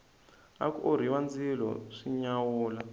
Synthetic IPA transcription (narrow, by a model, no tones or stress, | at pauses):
a̰kuoɾ̤iwand͡zilɔ̰ʂiɲawuːla